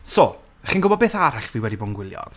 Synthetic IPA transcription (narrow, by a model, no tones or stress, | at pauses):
so | χiːnɡʊbɔdbeːθaɾaɬviwɛdibɔnɡwɪlˠjɔ̰̥